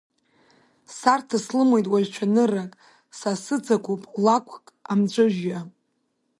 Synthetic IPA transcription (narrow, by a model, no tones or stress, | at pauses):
sartʰaslɨmo̞jtʼwaʒʷᶣt͡ʃʷʰanɨrakʼ | sasɨt͡sʰakʷupʼlakʷʰkʼamt͡ɕʷʼɨʒja